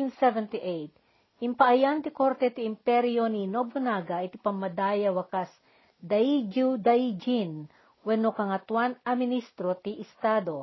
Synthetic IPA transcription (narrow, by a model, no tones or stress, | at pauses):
insɛvɛnt̪iʔejt̪̚ | ɪmpɐʔɐjant̪ɪko̞ɾt̪ɛt̪ɪɪmpɛɾjoninobonaːɡɐʔɪt̪ɪpɐmːɐd̪aːjɐwɐkas | d̪ɐjd͡ʒud̪ɐjd͡ʒin | wɛnokɐŋɐt̪wanɐmɪnist̪ɾot̪iʔɪst̪ad̪o̞